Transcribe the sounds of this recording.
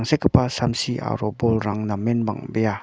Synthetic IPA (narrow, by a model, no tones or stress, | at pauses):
ŋsekapasamsiʔa̰ɾɔbɔlɾaŋnamɛnba̰ŋbeja